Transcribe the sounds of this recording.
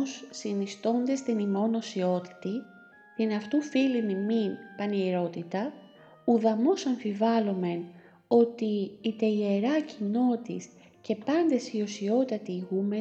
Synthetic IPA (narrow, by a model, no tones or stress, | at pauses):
sːinist̪o̞nd̪e̞st̪inimo̞no̞sio̞t̪i̥t̪i | t̪inɐft̪ufiliniminpɐnieɾo̞t̪it̪ɐ | uðɐmo̞sɐɱfivɐlome̞n | o̞t̪iːt̪eʝeɾɐcino̞t̪is | ce̞pɐnd̪e̞sio̞sio̞t̪ɐt̪iɣume